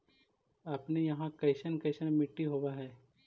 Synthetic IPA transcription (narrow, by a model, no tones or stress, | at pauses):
aːpnejɐɦãkɐɪʃənkɐɪʃənmɪʈːiɦoːʋaɦɛː